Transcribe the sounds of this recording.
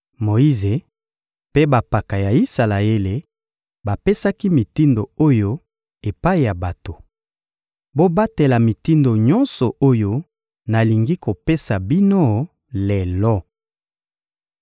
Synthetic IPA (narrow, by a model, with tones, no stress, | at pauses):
mo˨i˦ze˨ | pe˦ba˨pa˨ka˨ja˨i˦sa˨la˨e˦le˨ | ba˨pe˦sa˦ki˦mi˨ti˦ndo˨o˦jo˦ | e˨pa˦i˨ja˨ba˨to˨ | bo˦ba˦te˨la˨mi˨ti˦ndo˨ɲɔ˦nsɔ˨o˦jo˦ | na˨li˨ŋɡi˦ko˨pe˦sa˨bi˦no˦ | le˨lɔ˦